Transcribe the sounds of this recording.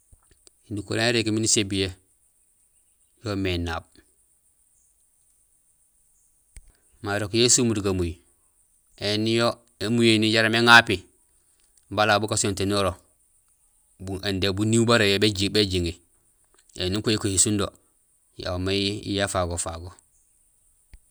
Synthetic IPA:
induko̰leeɾekiminisebije | jomenaːb | maːɾokjesumuduɡamuji | enijo | emujeniɟaɾameŋapi | balabukasontenoɾo | buendebunibaɾojebed͡ʒibeɟiŋi | ḛniŋkojikohisundo | ja̰maḭjafaɡofaɡo

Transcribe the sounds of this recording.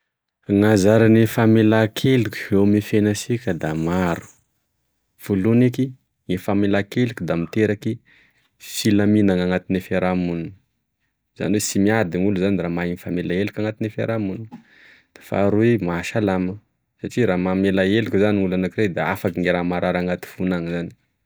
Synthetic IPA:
ŋazaɾanifamelakʰelukʲu̥ewmifenasikʲəd̪amaɾu̥ | v̥uluneki | ŋefamelakelukʲud̪amit̪eɾaki | filaminaŋaŋat̪inefaɾamun | z̥a̰niwesimiad̪iŋuluzaniraːmainifamelaelukʲaŋat̪inefa̰ɾamun | d̪̥ḁfa̰ɾuemaʃalamə | saʈ͡ʂiɾamamelaelukʲuzaniŋulanakiɾed̪aa̰fakiŋiɾamaɾaɾaŋat̪i̥funaŋizani̥

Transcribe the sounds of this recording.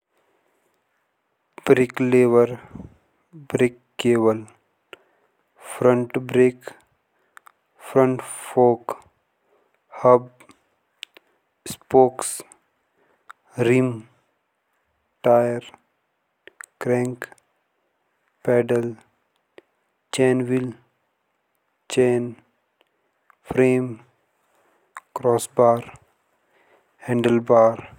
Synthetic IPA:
b̥ɾɪkleːʋəɾ | bɾɪkːeːʋəl | fʰɾə̃ɳʈbɾeːk | fʰɾə̃ɳʈfoːk | həb | spoːks | ɾim | ʈaːjəɾ | kɾɛ̃ŋk | pɛːɖəl | t͡ʃẽːnʋil | t͡ʃeːn | fʰɾeːm | kɾɔːsbaːɾ | hɛ̃ɳɖəlbaːɾ

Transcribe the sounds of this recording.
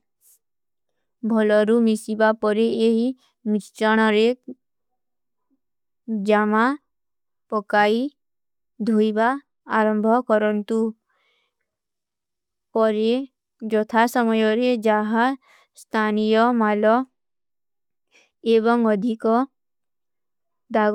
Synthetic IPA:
bʱɔlɔɾumisibapɔɾeeɦi | mist͡ʃɔɽ̃ɔɾe | d͡ʒama | pɔkai | d̪ʱojbaː | ɾɔmbʱɔkɔɾɔnt̪u | pɔɾe | d͡ʒɔt̪ʰasɔmɔjɔɾed͡ʒaɦa | st̪ʰanijɔmalɔ | eβɔŋɔd̪ʱikɔ | d̪a

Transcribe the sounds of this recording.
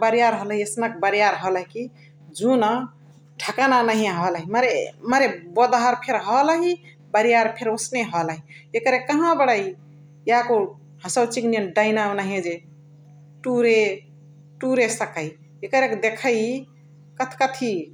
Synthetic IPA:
bəɾijaɾɦəlɦiesnak̚bəɾijaɾɦələɦiki | d͡ʒuna | ʈʰəkananəɦĩɦɔlɦiməɾeməɾebod̪ɦaɾpʰeɾɦɔləɦi | bəɾijaɾpʰeɾosneɦələɦiekəɾekːəɦãbəɽai | jako | ɦəsəwt͡ʃiknijənɖəinawnəɦẽd͡ʒe | ʈuɾe | ʈuɾesəkəi | ekəɾekd̪ekʰəji | kət̪ʰkət̪ʰi

